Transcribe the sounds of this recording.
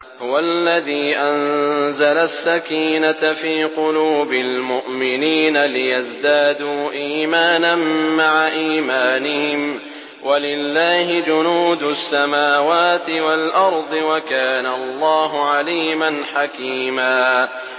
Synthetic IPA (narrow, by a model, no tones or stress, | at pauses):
hʊwalːaðiːʔanzalasːakiːnafiːqʊluːbɪlmʊʔmɪniːnalɪjazd̪aːd̪uːʔiːmaːnanːaʕaʔiːmaːnɪhɪm | wʔalɪlːaːhɪd͡ʒʊnuːd̪ʊsːamaːwaːt̪ɪwalʔɑɾˤd̪ˤɨwakaːnalˤːɑːɦʊʕaliːmanħakiːmaː